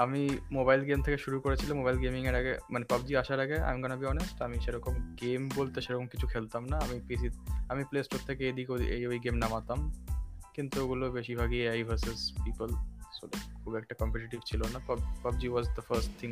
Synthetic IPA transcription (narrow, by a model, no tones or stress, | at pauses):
amimobajlɡemt̪ʰekeʃuɾukoɾet͡ɕʰilamobajlɡemiŋeɾaɡemanepabd͡ʑiaʃaɾaɡea̰miɡɔnabiɔnesʈamiʃeɾɔkomɡembolt̪eʃeɾɔkomkit͡ɕʰukʰelt̪amnaamipisiamiplesʈoɾt̪ʰekeed̪ikeoʔḛjojɡemnamat̪amkint̪ueɡulobeʃibʱaɡieajbʱəɾsezpipəlsolḛkkʰubɛk̚ʈakɔmpeʈiʈibt͡ɕʰilonapɔbpab̚d͡ʑiwɔzd̪əfɐɾsʈt̪ʰiŋ